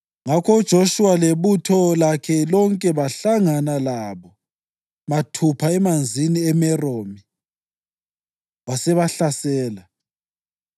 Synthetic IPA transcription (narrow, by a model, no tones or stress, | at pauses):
ŋakʰɔud̥ʒ̥ʱoʃuwaleβutʰɔlakʰɛlɔŋkʼɛβaɬaŋanalaβɔ | matʰupʰaɛmand͡zʱiniɛmɛroːmi | wasɛβaɬasɛːla